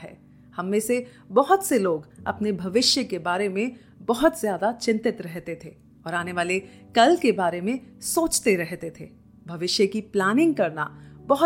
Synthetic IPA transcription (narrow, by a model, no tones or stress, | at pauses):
ɦɛ̰ː | hɐmːẽse | bɐɦʊt̪seloːɡɐ̰pnebʱɐʋɪʃjəkebaːɾemẽ | bɐɦʊt̪zjaːd̪at͡ʃɪ̃nt̪ɪt̪ɾɛɦt̪et̪ʰeː | ɔːɾaːneʋaːle | kɐlkebaːɾemẽsoːt͡ʃt̪eɾɛɦt̪et̪ʰeː | bʱɐʋɪʃjəkiplaːnɪ̃ŋɡ̚kɐɾna̰bɐɦ